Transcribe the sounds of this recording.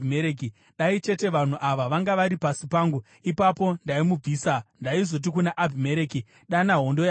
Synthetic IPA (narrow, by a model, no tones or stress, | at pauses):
meɾeːki | ɗait͡ʃe̞te̞ʋan̤uʔaʋaʋaŋɡaʋaɾipasipaːŋɡu | ipapo̞ndaimub͡viːsandaizo̞t̬ikunaʔabʱime̞ɾeːki | ɗanaɦondoja